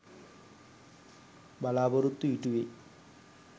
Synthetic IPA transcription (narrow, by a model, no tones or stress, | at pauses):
bɐlaːborut̪ːuiʈːuʋe